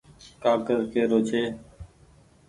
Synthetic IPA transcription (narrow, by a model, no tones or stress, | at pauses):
kaːkəɾkʰeːɾoːt͡ʃʰeː